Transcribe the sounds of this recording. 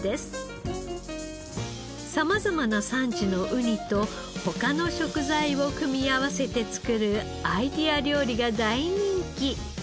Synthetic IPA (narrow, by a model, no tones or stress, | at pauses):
d̪̥e̞sɨ̥ | samazamanasãɲ̟d͡ʑino̞ʔɯ̟ɲ̟it̪o̞ | ho̞kano̞ɕo̞kɯ̟zaio̞kɯ̟mʲiaβase̞t̪e̞t͡sɨ̥kɯ̟ɾɯ̟ | aid̪ʲiaɾʲo̞ːɾʲiɡad̪aiɲ̟ĩŋkʲi